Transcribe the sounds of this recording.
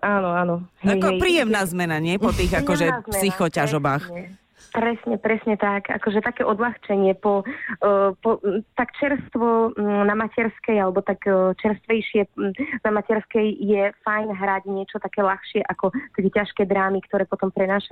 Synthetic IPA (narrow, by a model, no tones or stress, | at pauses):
ʔaːnɔanɔɦaɛjkɔpɾiːjɛmnaːzmɛnaɲɪɛpɔt̪iːɣakɔʒɛzmsɛsixɔcaʒɔbaːxɛ | pɾɛsɲɛpɾɛsɲɛt̪aka̰kɔʒɛt̪akɛːʔɔd̪laxt͡ʃɛɲɪɛpɔ | pɔt̪akt͡ʃɛɾst̪ʋɔnamacɛɾskɛjalɛbɔt̪akt͡ʃɛɾst̪ʋɛjʃɪɛnamacɛɾskɛjjɛfajnɦɾaɟɲɪɛt͡ʃɔt̪akɛːlaxʃɪɛʔakɔt̪akɛcaʃkɛjd̪ɾaːmikt̪ɔɾɛːpɔt̪ɔmpɾɛnaːʃa